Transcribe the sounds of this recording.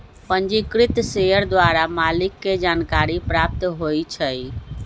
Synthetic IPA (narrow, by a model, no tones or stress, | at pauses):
pənd͡ʒikɾit̪sejəɾd̪ʋaɾamalikːed͡ʒankaɾipɾap̚t̪ɦojt͡ʃʰəj